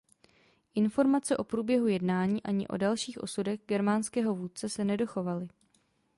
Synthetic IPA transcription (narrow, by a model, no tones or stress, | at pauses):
ʔɪnfo̞ɾmat͡sɛʔo̞pɾuːbjɛɦujɛdnaːɲiːʔaɲɪ̰ʔo̞̰dalʃiːxʔo̞̰sudɛɣɡɛɾmanskɛːɦo̞vuːt̪̚t͡sɛsɛnɛdo̞xo̞valɪ